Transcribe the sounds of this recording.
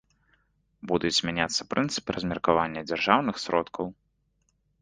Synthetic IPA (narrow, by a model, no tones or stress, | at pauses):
bud̪ud͡zʲzʲmʲanʲat̪sːɐpɾʔɨnt̪sɨ̥pɨɾɐzʲmʲɛrkavanʲːɐd͡zʲarʐawnɨxsɾɔt̪kʰɐw